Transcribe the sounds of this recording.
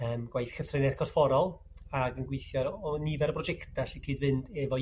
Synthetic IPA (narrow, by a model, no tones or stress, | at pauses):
əːmɡ̥wajθkəθrɪnɛðkʰɔdfɔɾɔlˠ | aɡənɡwɪjθjɔɾɔnivɛɾəbrɔd͡ʒɛktasiɡʰidvɨndɛvɔ